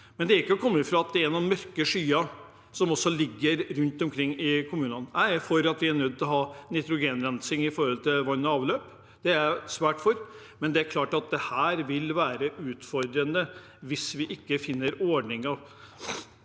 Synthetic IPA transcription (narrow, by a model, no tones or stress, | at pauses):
mɛnd̪ɛæɾɪkːəɔkʰɔmːəfɾɑːɑt̪̚d̪ɛæɾnuːnmœɾkəʂyːɑ | sɔmɔsːɔlɪɡːəɾɾʉnt̪ɔmkʰɾɪŋːɪkʰʊmʉːnɑnnæɪfɔɾɑt̪ʋɪæɳœd̪̚t̪ɪlɦɑːnɪt̪ɾʊɡeːnɾɛnsɪŋɪfɔɾhɔlt̪ʰɪlʋɑnːɔɑːʋløːp | d̪̥ɛæɾsʋæːʈfɔɾ | mɛnd̪ɛæɾkʰlɑːʈɑt̪̚d̪ɛhæːɾʋɪlʋæːɾəʔʉːt̪fɔɾd̪ɾənə | ʋɪsʋɪʔɪkːəfɪnːəɾoːɖɳɪŋɑʋ